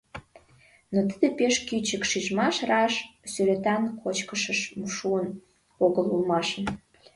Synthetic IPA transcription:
not̪əd̪epeʃkyt͡ɕəkʃiʒmɑʃrɑʃsyɾet̪ɑnkʰot͡ɕkəʃəʃmʃuən | oɣəlulmɑʃən

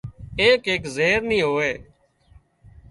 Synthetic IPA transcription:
eːkeːkzeːɾnĩːɦoːeː

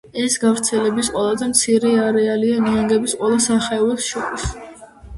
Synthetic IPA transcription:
ɛsɡavɾt̪sʰɛlɛbisqʼwɛlˠazɛmt̪sʰiɾɛaɾɛalianiaŋɡɛbisqʼwɛlˠasaχɛɔbɛsʃɔɾis

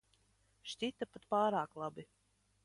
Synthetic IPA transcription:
ʃcʲit̪apat̪paːɾaːklˠabi

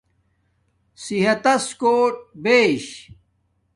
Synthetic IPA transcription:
siɦɐt̪ɐskoːʈ̚beːɕ

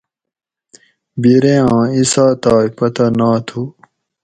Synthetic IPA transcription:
biɾeãːisaːt̪aːipɐt̪ɐnaːt̪ʰu

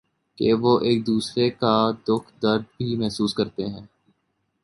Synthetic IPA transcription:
keʋoːʔeːk̚d̪uːsɾekad̪ʊkʰd̪əɾd̪bʱimɛɦsuːskɐɾt̪eɦɛ̃ː

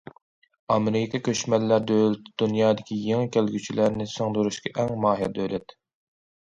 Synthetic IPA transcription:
ɑmɨɾɪkɑkʲʰøʃmɛlːæɾd̪ølt̪d̪unjɑːd̪ɪkʲijeŋɪkʲʰelɡʲyt͡ʃʰilæɾnɪsoŋd̪uɾuʃkʲɑʔɛŋmɑːɦijɑd̪ølɛt̪

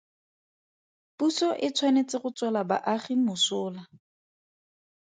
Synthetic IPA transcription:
pusɔʔɪt͡sʰwanet͡sʼɪχʊt͡swɛlaba̰ʔaχimʊsʊːla

